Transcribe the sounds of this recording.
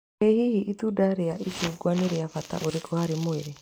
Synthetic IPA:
ehihiʔitudaɾeaʔikuɡwaneɾeafata̰ʔoɾekʰohaɾemoeɾe

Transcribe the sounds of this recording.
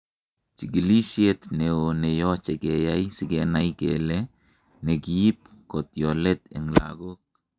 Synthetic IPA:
t͡ʃiɡilisiet̪neonejot͡ʃeɡejajsiɡenajɡḛle | neɡiːp̚kot̪jolet̪eŋla̰ɡok̚

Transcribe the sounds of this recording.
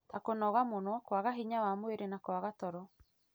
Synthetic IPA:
takonɔɣamonɔkwaɣaɦiɲawamweɾenakwaɣatɔɾɔ

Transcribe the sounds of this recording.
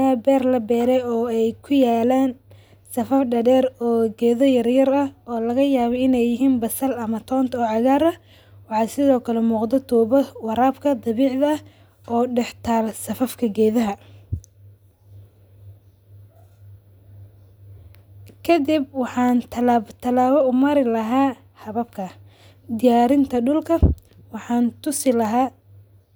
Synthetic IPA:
ɐbɛːrlɐbɛːɾɛɔːɛjkʰʊjaːlaːn | sɐfɐfɖɐɽɛːɾɔːɡɛːðɔjɐrjɐɾɐhɔːlɐɣɐjaːβɔɪnɛjɪɦiːnbɐsɐlɐmɐt̪ʰɔːnt̪ʰɔːʕɑɣaːɾɐ | wɑħɑːsɪðɔːkʰɐlɛmuːqd̪ɔt̪ʰuːβɐwɑɾaːbkʰɐd̪ɑβiːʕðɐɐ | ʔɔːɖɛħt̪ʰaːlsɐfɐfkʰɐɡɛːðɐɦɐ | kʰɐd̪ibwɑħɑːnt̪ʰɐlat̪ʰɐlaːβɔʊmɐɾɪlɐɦaː | hɐβɐbkʰɐ | d̪ɪjaːɾɪnt̪ʰɐɖʊlkʰɐ | wɑħɑːnt̪ʊsɪlɐɦaː

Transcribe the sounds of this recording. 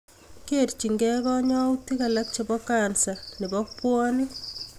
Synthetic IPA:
kert͡ʃiŋɡɛkɔɲɔutikalak̚t͡ʃebɔkaːnsanibɔpwɔni

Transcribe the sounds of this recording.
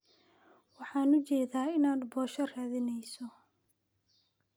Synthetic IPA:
wɑħɑːnʊt͡ʃɛːðaːɪnaːd̪bɔːʃɐraːðɪnɛjsɔ

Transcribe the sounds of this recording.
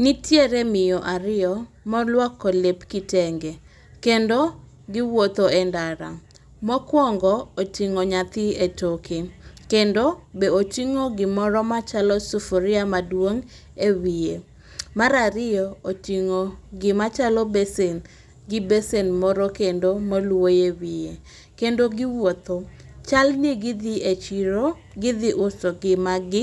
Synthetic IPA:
nitjeɾemɪjɔʔaɾɪɔmɔlwakːɔlepkɪtɛŋɡe | kendo | ɡɪwot̪oɛndaɾa̰ | mɔkwɔŋɡɔotiŋoɲat̪ɪetokʰekendobeot͡ʃiŋoɡɪmɔɾɔmat͡ʃalɔsufoɾɪamadwoŋ | ewije | maɾaɾɪjɔotiŋoɡɪmat͡ʃalɔbesen | ɡɪbesenmɔɾokendomolwojewije | kendoɡɪwot̪o | t͡ʃalneɡɪd̪ɪet͡ʃiɾo | ɡɪd̪ɪʔʊsoɡɪmaɡɪ

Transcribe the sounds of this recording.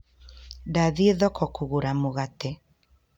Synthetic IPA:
daðieðɔkɔkuɣuɾamuɣat̪e

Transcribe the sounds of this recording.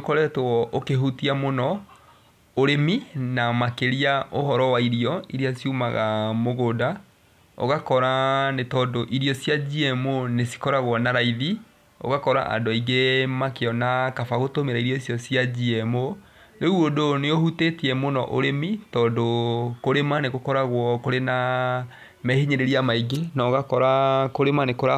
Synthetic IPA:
kɔɾɛtwɔʔokeɦutiamonɔ | oɾeminamakeɾiaʔoɦɔɾɔwaiɾiɔiɾiasjumaɣamoɣoda | o̰ɣakɔɾanetɔːndoʔiɾiɔsjad͡ʑiɛmonesi̥kɔɾaɣwɔnaɾaiði | o̰ɣakɔɾa̰ʔa̰doiɡemakeɔnakafaɣotomeɾaiɾjɔisjɔsjad͡ʑiɛmo | neuodoneohutetiɛmonɔʔoɾemitɔːndokoɾemaneɣokɔɾaɣwɔkoɾena | mɛhiɲeɾeɾiamaiɡenaɔɣakɔɾakoɾemanekoɾa

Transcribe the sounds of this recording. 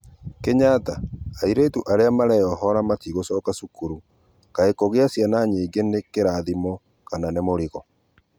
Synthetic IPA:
keɲataaiɾeːtuʔaɾeamaɾɛjɔɦɔɾamatiɣosɔːkasukuɾu | kaekoɣeasjanaɲeːɡenekeɾaðimɔ | kananemoɾiɣɔ

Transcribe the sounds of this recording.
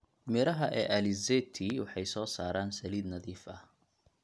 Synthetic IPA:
mɪɾɐɦɐʔɛ̰ːʔɐlɪzɛt̪ʰiwɑħɑjsɔːsaːɾaːnsɐliːd̪nɐðiːfɐ

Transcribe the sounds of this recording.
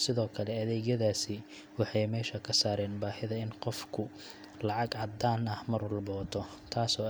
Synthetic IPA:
sɪðɔːkʰɐlɛɐðɛːɣjɐðaːsɪ | wɑħɑjmɛːʃɐkʰɐsaːɾɛːnbaːhɪðɐɪnqɔfkʰʊ | lɑʕɑɡʕɑd̪aːnɐhmɐɾʊlbɔːt̪ʰɔ | t̪ʰaːsɔː

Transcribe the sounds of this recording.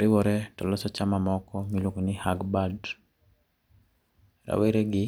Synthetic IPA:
ɾɪwɔɾɛtɔlɔsɔt͡ʃamamɔkɔmilokonɪhaɡbad | ɾa̰weɾeɡɪ

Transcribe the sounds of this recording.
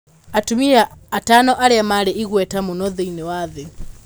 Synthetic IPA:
atumiɾaatanɔʔaɾɛamaɾɛʔiɣwɛtamunɔðɛinɛwaðɛ

